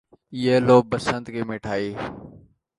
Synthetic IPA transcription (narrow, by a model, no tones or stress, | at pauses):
iːeːloːbəsənd̪keːmeːʈʰaːiː